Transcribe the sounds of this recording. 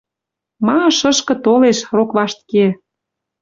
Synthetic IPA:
mɑʃəʃkɤ̆t̪oleʃrokβɑʃt̪̚ke

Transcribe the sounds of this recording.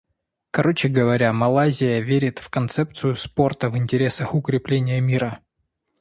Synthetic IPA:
kɐɾʔo̞t͡ɕɪɡəvɐɾʲamɐlˠazʲɪjəvʲeɾʲɪt̪fkɐnt̪sɛp̚t̪sɨjʊspo̞rt̪əvɨnʲtʲɪɾʲe̞səxʊkɾʲɪplʲenʲɪjəmʲiɾə

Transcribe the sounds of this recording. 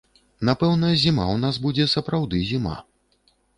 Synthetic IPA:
napɛwnɐzʲimawnazbud͡zʲɛsɐpɾawd̪ɨzʲima̰

